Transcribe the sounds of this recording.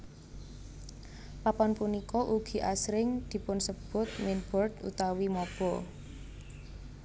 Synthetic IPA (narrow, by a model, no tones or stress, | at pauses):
papɔnpunikɔʔuɡ̥i̤ʔasɾɪŋd̪̥i̤pʊnsəb̥ʊ̤t̪̚mɪnb̥ɔrt̪ṵt̪awimɔb̥ɔ